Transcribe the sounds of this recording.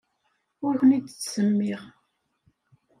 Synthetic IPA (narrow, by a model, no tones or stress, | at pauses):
ʊɾçənid̪ə̥t͡sːsəmːɪʁ